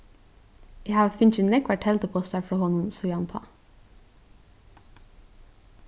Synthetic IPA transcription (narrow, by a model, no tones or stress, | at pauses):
jæhɑːʋfʏnçɪnɛkʋæʈhɛlt̪əpʰɔst̪æfɾɑhɔnʊmsɔjɑnt̪ʰɑ̰